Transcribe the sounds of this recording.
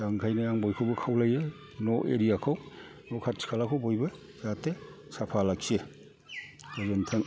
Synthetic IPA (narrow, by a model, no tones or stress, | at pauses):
d̥aŋkʰajnajaŋbɔjkʰɯwbɐkʰawlaje | nɔʔeɾijakʰaw | nɔkʰat̚si̥kʰalakʰawbojbɯ | zate | sapʰalaksie | ɔzentʰɐŋ